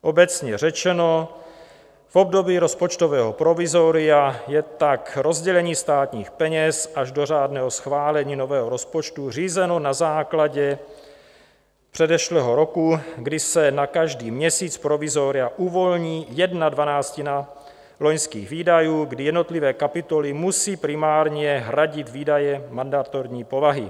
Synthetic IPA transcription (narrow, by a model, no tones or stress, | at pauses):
ʔobɛt͡sɲɛr̝ɛt͡ʃɛno̞ | fo̞b̚do̞biːɾo̞spo̞t͡ʃt̪ovɛːɦopɾo̞vɪzoɾɪjajɛt̪akɾo̞zɟɛlɛɲiːst̪aːt̪ɲiːxpɛɲɛsʔaʒdo̞r̝aːdnɛːɦosxvaːlɛɲiːno̞vɛːɦoɾo̞spo̞t͡ʃt̪ur̝iːzɛno̞nazaːklaɟɛ | pr̥ɛdɛʃlɛːɦo̞ɾo̞kuɡdɪsɛnakaʒdiːmɲɛsiːt͡spɾo̞vizoɾɪaʔuvo̞lɲiːjɛdnadvanaːt͡scina | lo̞ɲskiːɣviːdajuːɡdɪjɛdno̞t̪lɪvɛːkapɪt̪o̞lɪmusiːpɾɪmaːɾɲɛɦɾaɟɪt̪viːdajɛmandat̪oɾɲiːpo̞vaɦɪ